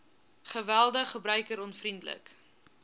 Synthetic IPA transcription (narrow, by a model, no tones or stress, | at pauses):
χəvælˠdəχːəbɾœɥkəɾɔnfrindlə̰k